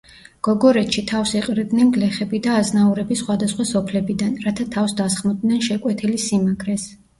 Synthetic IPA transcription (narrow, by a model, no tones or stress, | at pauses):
ɡ̥ɔɡɔɾɛt̪ʃit̪ʰafsiqʼɾid̪nɛnɡlɛχɛbid̪aːznauɾɛbisχwad̪asχwasɔpʰlɛbid̪anɾat̪ʰat̪ʰafsd̪asχmɔd̪nɛnʃɛkʼwɛt̪ʰilisimaɡɾɛs